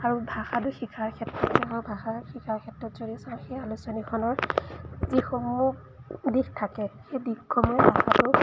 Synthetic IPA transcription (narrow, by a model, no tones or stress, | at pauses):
aɹubʱaxatʊxikʰaɹkʰɛtɹɔtsɔaubʱaxaxikʰaɹkʰɛtɹɔtzoɹisaxejalusɔnikʰɔnɔɹzixomu | dixtʰakɛxejdikkʰːɔmɔbʱaxatʊ